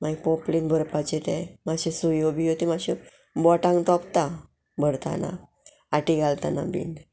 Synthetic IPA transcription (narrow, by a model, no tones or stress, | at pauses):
maipɔplinbʱəɾpat͡ɕet̪ɛ̃maɕesujobiɦot̪imaɕe | bɔʈãŋt̪ɔpt̪a | bʱəɾt̪a̰na̰ | aʈiɡalt̪ana̰bḭn